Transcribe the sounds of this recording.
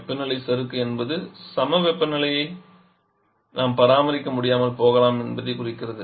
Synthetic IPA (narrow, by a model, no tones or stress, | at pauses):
pːɐnɐɭɐɪsɛɾɯkːɯɛnbɐðɯsɐmɐʋɛpːɐnɐɭɐjɐɪ | nʔaːmpɐɾaːmɐɾɪkːɐmʊɽɪjaːmɐlpoːɣɐlaːmɛnbɐðɐɪkʊrɪkːɪrɐðɯ